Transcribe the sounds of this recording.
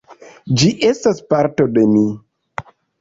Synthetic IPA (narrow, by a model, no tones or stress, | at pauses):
d͡ʒiʔe̞staspaɾto̞de̞mi